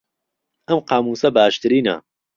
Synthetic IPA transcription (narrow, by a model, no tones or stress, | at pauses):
ɐmqɑːmuːsɐbaːʃt̪ɨɾiːnɐ̰